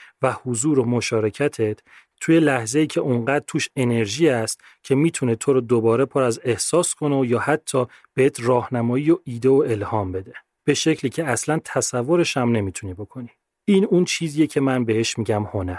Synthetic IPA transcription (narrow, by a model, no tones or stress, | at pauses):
væhuzuːɾomo̞ʃɒːɾe̞cʰæt̪ʰet̪ | t̪ʰuːje̞læhzeiːcʰe̞ʔuŋɢæːd̪̚t̪ʰuːʃe̞ne̞ɾʒiːæst̪ | cʰe̞miːt̪ʰunet̪ʰoɾɔːd̪obɒːɾe̞pʰoɾæze̞hsɒːskʰo̞neojɒːhæt̪ʰːɒː | b̥eet̪ʰrɒːhnæmɒːjiːjoiːd̪e̞oe̞lhɒːmbe̞d̪e̞ | b̥e̞ʃe̞cʰliːcʰeæslænt̪ʰæsævːoɾe̞ʃæmne̞miːt̪ʰuniːbo̞kʰo̞ni | iːnunt͡ʃʰiːzijecʰe̞mænbe̞heʃmiɟæmhonæɾ